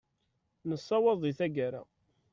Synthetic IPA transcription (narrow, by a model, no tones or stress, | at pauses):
nəsˤːɑwɑðˤiθæɡaɾa̰